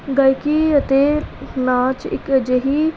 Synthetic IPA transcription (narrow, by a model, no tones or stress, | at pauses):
ɡaikiət̪elãːt͡ʃɪ̰kd͡ʒeɦi